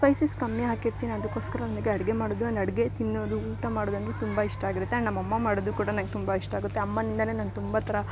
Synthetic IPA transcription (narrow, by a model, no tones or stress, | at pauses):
pɐjsiskɐmjɐɦaːkiɾt̪iːniɐd̪ɐkːoːskɐɾɐnɐmɐɡeɐɽɡe̞maːɽoːd̪uɐnd̪ɐɽɡe̞t̪inːoːd̪uuːʈɐmaːɽoːd̪ɐnd̪et̪umbaiʂʈɐaːɡiɾut̪ːeɐnɐmːɐɐmːɐmaːɽod̪ukuːɽɐnɐnɡet̪umbaiʂʈɐaːɡut̪ːeɐmːɐnind̪ɐne̞ːnɐnt̪umbat̪ʰɐɾɐ